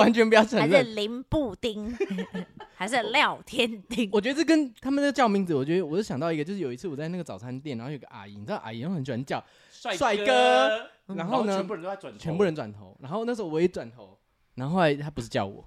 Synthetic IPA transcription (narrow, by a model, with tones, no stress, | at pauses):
wa˧˦nt͡ɕʰɥɛ˧˥npu˧˥jɑ˥˧ʊʈ͡ʂʰə˧˦ŋɻə˥˩li˧˥npu˥˧t̪i˥ŋ | xa˧˥ɪʂɻ̩˥˧ljɑ˥˨˩ʊt̪ʰjɛ˦˥nt̪i˥ŋwɔ˨˩t͡ɕɥɛ˧˥d̪ə˧t͡s̩ɨ˥˩kə˦nt̪ʰa˥mə˨nna˥˩ɡə˧t͡ɕjɑ˥˧ʊmi˥˩ŋt͡sd͡zɹ̩˨˩wɔ˨˩t͡ɕɥɛ˧˥d̪ə˧˨wɔ˨˩t͡ɕo˥˩ɕjɑ˨ŋt̪ɑ˥˩ʊi˧ɡə˧t͡ɕo˥˧ʂɻ̩˧jo˨˩i˧˥t͡s̩ʰ˥˩ɔ˨˩t͡sa˧ɪna˥˩ɡə˩t͡sɑ˨˩ʊt͡sʰa˧˦nt̪jɛ˥˩nɻa˧˦˥xjɡə˧ʔa̰˨˩ḭ˨˩n˨a˥˩˧ʔa̰˨˩i˨˩jo˥˩ŋxə˨˩nt͡ɕɥwa˧˦nə˧t͡ɕjɑ˥˨ʊ˥˧ | swa˥˩kə˦ | ɻa˧˦nxo˥ʊnə˧˦˧wa˨˩t͡ɕʰɥɛ˧˦pu˥˧ɻə˧˦nt̪wa˨˩nt̪ʰo˧˦ʊɻa˧˥nxo˥˧ʊn˥˩ʂ̩˧˥o˥˧wjɛ˧˥twa˨˩nt̪ʰo˧˦ʊ | ɻa˧˥nxo˥o˥˧˩a˧ɪt̪ʰa˦˥p̬u˧˥ʂɻ̩˥˧t͡ɕjɑ˥˩ʊwɔ̰˨˩˦